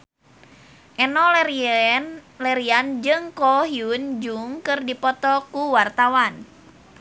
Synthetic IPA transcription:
ʔɛnɔ | lɛɾiand͡ʒɨŋkɔɦiund͡ʒuŋkɨrdipɔt̪ɔkuwart̪awan

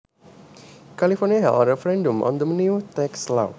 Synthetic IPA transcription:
kalifɔniaɦɛ̰lɾɛfəɾɛ̃ndə̃mʔɔ̰̃nd̪əmniut̪ɛksla̰

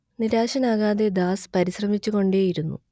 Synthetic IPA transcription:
niɾaːɕɐnaːɣaːðe̞d̪aːspɐɾiɕrɐmit͡ɕːuɣo̞ɳɖeːjiɾunːṵ

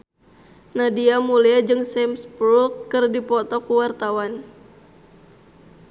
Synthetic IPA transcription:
nadiamuliad͡ʒɨŋsɛmspulkːɨrdipɔt̪ɔkuwart̪awan

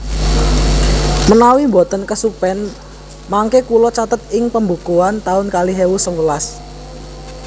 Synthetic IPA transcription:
mənawimbɔt̪ənkəsupɛn | maŋkekulɔt͡ʃat̪ət̪̚ɪŋpəmbukuant̪aʊnkaliɦewusəŋəlas

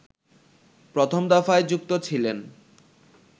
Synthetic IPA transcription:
pɾot̪ʰomd̪afaed͡ʑuk̚t̪ot͡ɕʰilen

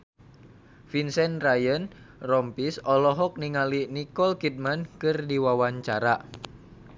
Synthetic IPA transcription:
finsɛnrajən | rɔmpisɔlɔɦɔk̚niŋalinikɔlkit̪̚mankɨrdiwawaɲt͡ʃaɾa

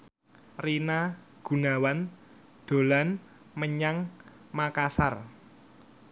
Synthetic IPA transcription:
rina | ɡ̥ṳnawan | d̪̥o̤lan | məɲaŋ | makasar

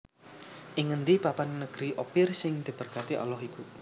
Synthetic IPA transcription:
ʔiŋənd̪ipapannəɡ̥ɾiʔopɪrsɪŋd̪̥i̤b̥ərkat̪iʔɔ̰lɔɦiku

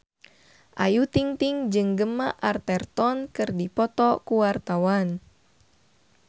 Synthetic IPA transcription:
ʔajut̪iŋt̪iŋd͡ʒɨŋɡəmaʔart̪ɛrt̪ɔnkɨrdipɔt̪ɔkuwart̪awan

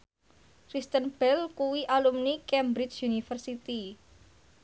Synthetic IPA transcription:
kɾist̪ənb̥ɛlkuwiʔalumnikɛmbɾit͡ʃjunifərsit̪i

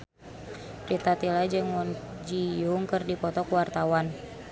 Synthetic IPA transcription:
rit̪at̪ilad͡ʒɨŋwɔnd͡ʒijuŋkərdipɔt̪ɔkuwart̪awan

